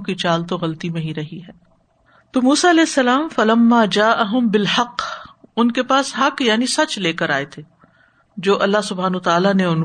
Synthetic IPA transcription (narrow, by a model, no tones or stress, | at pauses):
kit͡ʃaːlt̪̬oɣɐlt̪imẽɦĩɾɐɦiɦɛː | t̪oːmuːsaɐlɛːɪsːɐlaːmfɐlɐmːaːd͡ʒaːʔɐɦʊmbɪlħɐqːʊnkepaːsɦɐqjaːnisɐt͡ʃleːkəɾaːet̪ʰeː | d͡ʒoːʔɐlːaɦsʊbʱaːnaːt̪aːlaneʊn